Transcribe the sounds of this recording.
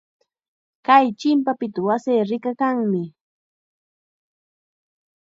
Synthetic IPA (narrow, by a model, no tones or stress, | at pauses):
kajt͡ʃɪmpapɪt̪awaseːɾɪkakaŋmɪ